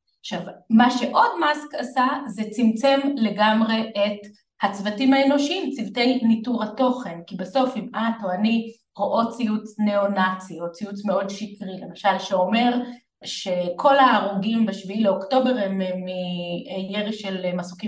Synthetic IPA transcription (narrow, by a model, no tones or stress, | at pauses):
aχʃavmaʃe̞ʔo̞dmaskasazet͡simt͡se̞mle̞ɡamʁe̞ʔet | hat͡svatimhaeno̞ʃiimt͡sivtejnituʁhato̞χe̞nkibeso̞fimʔatoani | ʁoʔot͡sijut͡sneonat͡siot͡sijut͡smeo̞dʃikʁile̞maʃalʃeo̞me̞ʁ | ʃe̞kʰo̞laːʁuɡimbeʃviileokto̞be̞ʁhememːijeʁiʃelmasuki